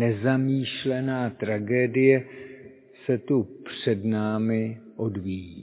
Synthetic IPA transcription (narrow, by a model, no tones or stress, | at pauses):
ɛzamiːʃlɛnaːt̪ɾaɡɛːdɪjɛ | sɛt̪upr̝̥ɛdnaːmɪʔo̞dviji